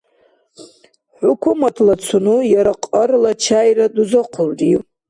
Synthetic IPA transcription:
ħʷukʷʰumatʰlat͡sʰunujaɾaqʼərlat͡ʃʰajraduzɨqʷʰʊrdʼi

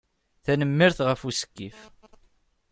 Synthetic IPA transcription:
θænəmːɪɾθʁəfusə̥kːif

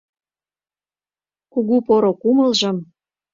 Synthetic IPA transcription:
kuɣupoɾokuməlʒɤ̆m

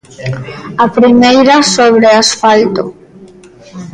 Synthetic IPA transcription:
apɾimejɾasoβ̞ɾeasfalt̪o̰

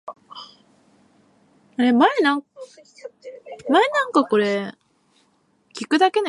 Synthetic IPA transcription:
ɾemana | manːaŋkakoɾe | kik͈ːɯd̪aken

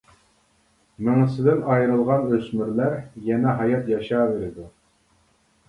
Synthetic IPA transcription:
mɪŋɨsɪd̪ɪnɑjɾɨlˠʁɑnøsmyɾlæɾjɛnɛɦɑjɑt̪jɑʃɑːveɾɪd̪u

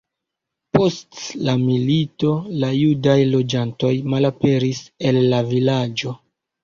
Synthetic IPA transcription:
po̞stlamilito̞lajudajlo̞d͡ʒanto̞jmalape̞ɾise̞lːavilad͡ʒo̞

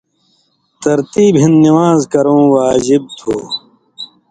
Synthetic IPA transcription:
t̪ɐɾt̪iːbɦĩnniwaːzkɐɾõːwaːd͡ʑib̚t̪ʰoː

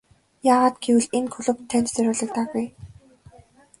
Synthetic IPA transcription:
jaːʁaːt̪ɡewɘ̆ɮenkʰɵɮɵ̆p̚t̪ʰːænt͡ɕt͡sœɾʲʊːɮə̆kt̪aːɣuj

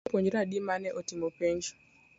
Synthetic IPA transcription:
poɲd͡ʒɾadimanɛʔotimopeɲd͡ʒ

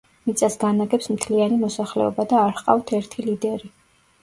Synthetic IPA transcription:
mit̪sʼasɡanaɡɛpsmt̪ʰlianimɔsaχlɛ̰ɔbad̪aːɾqʼa̰ft̪ʰɛɾt̪ʰilid̪ɛɾi

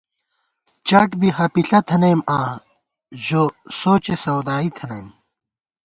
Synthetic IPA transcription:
t͡ɕɐʈbiɦɐpiɬɐt̪ʰɐnɐjmaː | ʑosoːt͡ɕesɐwd̪aːit̪ʰɐnɐjm

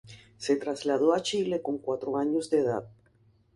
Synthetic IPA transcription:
set̪ɾazlaðoat͡ʃilekoŋkwat̪ɾoaɲozd̪eða̰ð

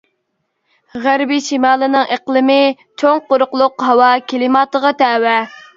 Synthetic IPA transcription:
ʁæɾbiʃimɑːlˠɨnɨŋeqlˠɨmɪ | t͡ʃʰoŋqoɾʊqlˠʊqɦɑwɑkʲʰelɪmɑːt̪əʁɑt̪ʰɛːwɛ

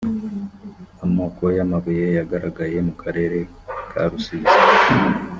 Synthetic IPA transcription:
amoːkʰojamaβujejaɡaɾaɡaje̞mukʰaɾe̞ɾe̞ | kʰa̰ɾusiːza

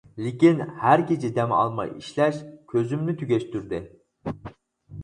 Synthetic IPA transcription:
lɪkʲinhæɾkʲʰet͡ʃʰid̪ɛmɑ̰lˠmɑ̰jḭʃlɛʃkʲʰøzymnyt̪ʰyɡʲɛʃt̪yɾd̪ɪ

